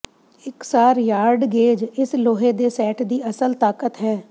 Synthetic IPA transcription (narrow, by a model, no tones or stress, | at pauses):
ɪksaːɾjaːɾɖɡeːd͡ʒɪsloːɦeːd̪eːsɛːʈd̪iːəsəlt̪aːkət̪ɦɛː